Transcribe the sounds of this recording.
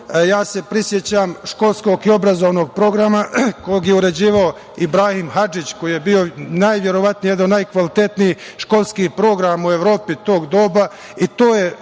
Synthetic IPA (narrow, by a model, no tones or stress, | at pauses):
jaːse̞pɾisje̞t͡ɕamʃko̞lˠsko̞ɡio̞bɾazo̞ʋno̞ɡ̚pɾo̞ɡɾamako̞jeɡjeuɾe̞d͡ʑiːʋao | ibɾaːhimɦad͡ʒit͡ɕko̞jije̞bio̞najʋje̞ɾo̞ʋat̪nijjed̪annajkʋalit̪et̪nijiʃko̞lˠskiːpɾo̞ɡɾamue̞ʋɾo̞ːpit̪o̞ːɡd̪o̞ːba | it̪o̞ːje